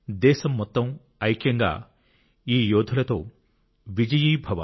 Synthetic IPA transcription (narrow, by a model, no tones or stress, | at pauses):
d̪ɛːʃɐmːɔt̪ːɐm | ɐjkjɐŋɡa̰ː | iːjoːd̪ʱulɐt̪oː | ʋid͡ʒɐjiːbʱɐʋɐ̰